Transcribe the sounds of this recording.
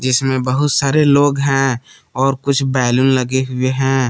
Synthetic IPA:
d͡ʒɪsmẽbɐɦʊt̪saːɾeloːɡɦɛ̃ː | ɔːɾkʊt͡ʃʰbɛːlʊnlɐɡeɦʊeɦɛ̃ː

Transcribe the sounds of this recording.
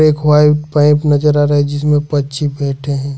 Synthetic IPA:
eːkʰʋaːipãɪ̃pnɐd͡ʒəɾaɾɐɦed͡ʒɪsmẽpɐtːʃʰibɛːʈʰeɦɛ̃ː

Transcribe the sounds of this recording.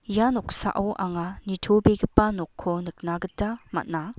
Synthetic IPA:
janɔk̚sa̰ʔawʔaŋanitʰobiɡɯpːanɔkʰːɔnɯk̚naɡɯtama̰t̚na

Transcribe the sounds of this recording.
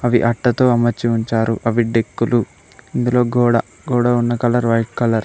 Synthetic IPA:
ɐʋiʔɐʈːɐt̪o̞ːɐmɐt͡ʃːiuɲt͡ʃaːɾuʔɐʋiɖe̞kːulu | ind̪ulo̞ːɡɔːɽɐ | ɡuːɽɐunːɐkɐlɐɾʋɐjʈ̚kɐlɐɾ

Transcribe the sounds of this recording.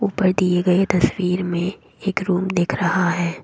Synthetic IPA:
uːpəɾd̪ieɡɐet̪ɐswiːɾmẽ | eːkɾuːmd̪eːkʰɾɐɦaɦɛː

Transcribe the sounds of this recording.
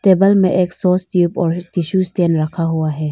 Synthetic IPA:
t̪eːbəlmẽʔeːksɔːsʈuːpɔːɾt̪ɪʃusʈeːnɾɐkʰaɦʊaɦɛː

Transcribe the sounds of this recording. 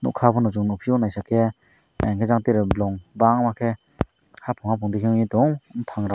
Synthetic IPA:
nṵkʰapʰɔnɔzŋnɔpʰiɔnajsakʰe | ɛŋkʰezaŋteɾɯblɔŋbaŋmakʰe | hapʰɔŋhapʰɔŋdikʰeŋɲitɔŋnpʰaŋɾa

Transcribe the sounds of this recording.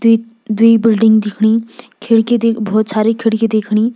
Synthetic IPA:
d̪uibɪlɖɪ̃ŋɡd̪ɪkʰɽ̃iːkʰeɽked̪ebɔːt̪saːɾikʰeɽked̪ekʰɽ̃iː

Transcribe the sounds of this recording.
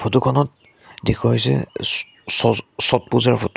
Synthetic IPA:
pʰotukʰɔnɔt̚ | dekʰɔɦojsɛ̰ | sɔsɔt̚puzaɹpʰot

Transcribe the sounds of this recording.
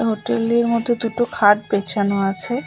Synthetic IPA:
ɦoʈeleɾmod̪ʱːed̪uʈokʰaʈ̚pet͡ɕʰanoat͡ɕʰe

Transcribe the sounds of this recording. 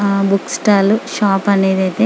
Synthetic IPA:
buksʈaːluʃaːpɐne̞ːd̪ɐjt̪eː

